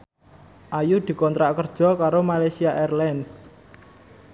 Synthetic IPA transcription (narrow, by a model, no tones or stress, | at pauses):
ʔajud̪̥i̤kɔnt̪ɾaʔkərd̥ʒ̥ɔ̤kaɾomalasiaʔɛrlɛns